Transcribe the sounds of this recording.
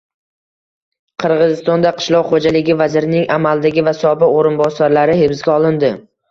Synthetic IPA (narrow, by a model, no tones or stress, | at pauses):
qʰɨɾʁɨzɪst̪ɒnd̪aqʰɨ̥ʃlˠɒqχod͡ʒalɪɡʲɪvazɪɾɪnɪŋamalˠd̪aɡʲɪvasɒbɪqoɾɪnbɒsaɾlaɾɪhebɪsɡʲaɒlˠɪnd̪ɪ